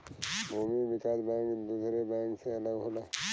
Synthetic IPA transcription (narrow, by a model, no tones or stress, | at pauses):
bʱuːmiʋɪkaːsbãːkd̪uːsɾebãːkseɐləɡɦoːla